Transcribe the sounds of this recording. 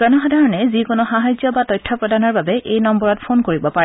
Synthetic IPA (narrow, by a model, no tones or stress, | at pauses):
z̥ɔnɔxɔdʱaɹɔnɛzikonoxaɦajzjɔbatɔjtʰːɔpɹɔdanɔɹbabɛʔejnɔmbɔɹɔtpʰonkoɹibɔpaɹɛ